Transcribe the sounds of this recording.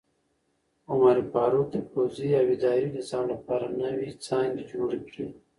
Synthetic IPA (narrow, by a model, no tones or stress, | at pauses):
ʊmaɾipaːɾot̪epoːziawid̪aːɾinizaːmlɐpaːɾanɐwit͡sãːŋɡid͡ʒoːɽikɽi